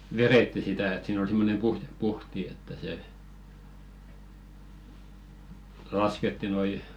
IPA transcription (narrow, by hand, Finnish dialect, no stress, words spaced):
ʋereˑtːi sitæ et siːn ol simːonem puhjepuhti etːæ se lɑsketːi noi